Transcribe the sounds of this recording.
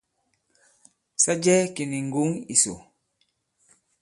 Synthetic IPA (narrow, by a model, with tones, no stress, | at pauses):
sa˦d͡ʒɛ˦ki˨ni˨ŋ̩˨ɡu˨˦ŋḭ˨so̰˨